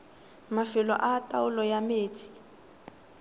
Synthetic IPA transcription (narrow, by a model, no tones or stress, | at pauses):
mafɪlɔ̰ʔatʼaʊlɔjameːt͡sʰʼi̥